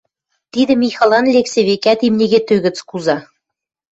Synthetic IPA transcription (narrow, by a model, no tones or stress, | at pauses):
t̪id̪ɘ̆mʲixɑlˠɑnlʲeksʲeβekʲæt̪imnʲeɣʲet̪øɣɘ̆t͡skuzɑ